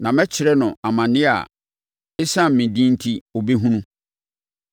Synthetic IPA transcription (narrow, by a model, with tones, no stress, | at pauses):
nã˨mɛ̃˦t͡ɕʰɪ˨ɾɛ˦nʊ̃˨a˨mã˨nɪ̃˦a̰˨ | ɪ˦sã˦m̩˨mĩ˨dĩ˦n˦tʰi˦o˨be˦ɦũ˦nũ˦